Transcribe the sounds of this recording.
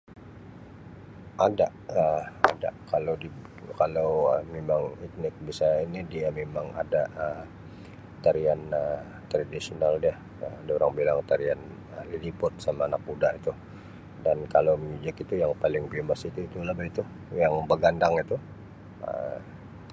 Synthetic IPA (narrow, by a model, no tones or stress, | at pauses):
ʔadaʔəa̰da̰ʔkalowdi | kalawəmemaŋit̪̚nɪk̚bisainidiamemaŋa̰daʔə | t̪aɾianə | t̪ɾadisionaldia | əadaoɾaŋbilaŋt̪aɾian | əlidipʊt̪̚samaːnak̚mudaʔit̪u | dankalaməɲud͡ʒakit̪ujaŋpalɪŋpiumbasit̪uit̪ulabait̪u | jaŋbəɡandaŋit̪u | ə̰